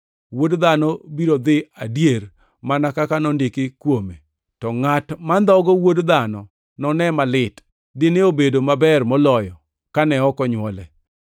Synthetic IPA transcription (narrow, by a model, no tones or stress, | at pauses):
wodd̪anɔbiɾod̪ɪa̰djer | manakakanɔndɪkɪkwome | tɔŋatmand̪ɔɡɔwodd̪anɔ | nɔnɛmalɪt | dɪneobedomabɛrmɔlɔjɔ | kanɛɔkɔɲwɔlɛ